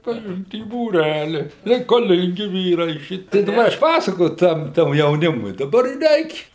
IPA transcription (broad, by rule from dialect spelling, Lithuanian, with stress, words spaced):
pʲrʲɪˈɪmt iː buːˈrʲælʲɪ rʲɛɪkɐˈlʲɪŋʲɡʲɪ ˈʋʲiːrɐɪ ˈʃʲɪtʲɪ tɐɪ ˈɐʃ ˈpɑːsɐkoːjʊ ˈtɐm tɐm jɛʊˈnʲɪmʊɪ dɐˈbɐr ɪ ˈrʲɛɪkʲ